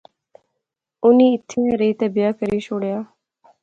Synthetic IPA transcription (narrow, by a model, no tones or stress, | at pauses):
ʊniːɪt̪ʰːeãɾiːt̪ebɪjaːkəɾiːʃoːɽjaː